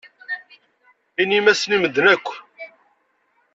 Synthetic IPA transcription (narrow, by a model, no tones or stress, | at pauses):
inimæsniməd̪nækʷː